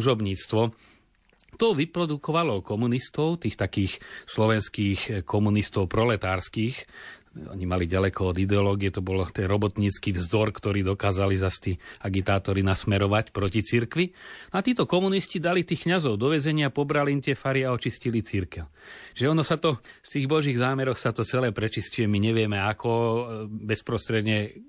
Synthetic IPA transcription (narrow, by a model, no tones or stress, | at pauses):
uʒɔbɲiːt͡st̪ʋɔ | t̪ɔʋipɾɔd̪ukɔʋalɔkɔmunist̪ɔʊt̪iːxt̪akiːxslɔʋɛnskiːxkʰɔmunist̪ɔʊpɾɔlɛt̪aːɾskiːx | ɔ̰ɲimaliɟalɛkɔɔd̪id̪ɛɔlɔːɡijɛt̪ɔbɔlt̪ɛnɾɔbɔt̪ɲiːt͡skivzɔɾkt̪ɔɾiːd̪ɔkaːzalizast̪iaɡit̪aːt̪ɔɾinasmɛɾɔʋacpɾɔcit͡siɾkʋinɔat̪iːt̪ɔkɔmuniscid̪alit̪iːxkɲazɔʊd̪ɔʋɛzɛɲɪapɔbɾaliːmt̪ɪɛfaɾiaɔt͡ʃiscilit͡siɾkɛl | t͡ʃiʒɛɔnɔsat̪ɔst̪iːɣbɔʒiːɣzaːmɛɾɔxsat̪ɔt͡sɛlɛːpɾɛt͡ʃiscujɛmiɲɛʋɪɛmɛakɔ | bɛspɾɔst̪ɾɛd̪ɲɛ